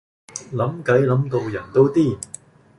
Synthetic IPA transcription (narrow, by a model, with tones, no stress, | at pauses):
lɐ˨˥mkɐ˨˥jlɐ˨˥mt̪o˧wjɐ˨˩nt̪o˥wt̪iː˥˩